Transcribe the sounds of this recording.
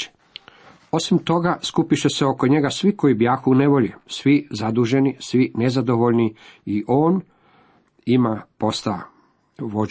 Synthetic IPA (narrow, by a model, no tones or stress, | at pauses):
o̞simt̪o̞ɡaskupiʃese̞o̞ko̞ɲe̞ɡasʋiko̞ibjaːxuune̞ʋo̞ʎesʋizad̪uʒe̞nisʋine̞zad̪o̞ʋo̞ʎniiʔo̞ːn | imapo̞st̪a | ʋo